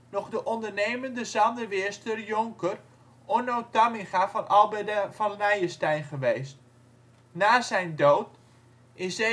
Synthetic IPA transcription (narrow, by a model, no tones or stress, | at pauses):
nɔχdəʔɔndərnejməndəzɑndərʋɪəstərjʊŋkər | onowtamɪχafɑnʔɑlˠbədvɑnlɛjəstɛjnχəʋejst | naːzɛjndoːt | ɪsɛ